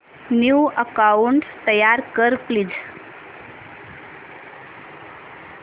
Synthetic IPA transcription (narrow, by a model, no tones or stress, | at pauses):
njuəkauɳʈt̪əjaɾkəɾplid͡z